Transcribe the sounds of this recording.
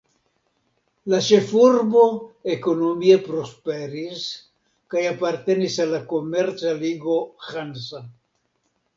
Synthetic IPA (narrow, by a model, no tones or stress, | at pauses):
lat͡ʃefuɾboekonomiepɾospeɾis | kajapaɾt̪enisalakomeɾt͡saliɡoxansa